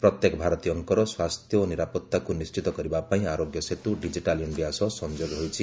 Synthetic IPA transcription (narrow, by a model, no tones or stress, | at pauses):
pɾɔt̪jekɔbʱaɾɔt̪iɔŋkɔɾɔswast̪ʰjɔniɾapɔt̪ːakunist͡ʃit̪ɔkɔɾibapaĩaɾoɡjɔset̪uɖid͡ʒiʈaljɔnbijasɔsɔnd͡ʒoɡɔɦojt͡ʃʰi